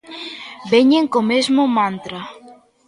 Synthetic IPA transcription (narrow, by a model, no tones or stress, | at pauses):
beɲeŋkomezmomãnt̪ɾa